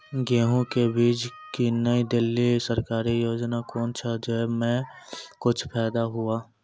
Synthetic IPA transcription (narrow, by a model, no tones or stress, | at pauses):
ɡeːɦũkebiːd͡ʒ | kinəid̪ɪlːisəɾkaːɾijoːd͡ʒnakɔːnt͡ʃʰad͡ʒemɛ̃kʊt͡ʃʰpʰɛːd̪aɦʊaː